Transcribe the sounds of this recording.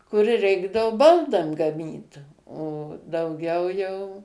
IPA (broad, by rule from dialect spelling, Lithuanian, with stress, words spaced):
kʊr ˈrʲɛɪɡdɐʋʊ ˈbɐlˠdɐm ɡɐˈmʲiːt oː dɐʊˈɡʲɛʊ jɛʊ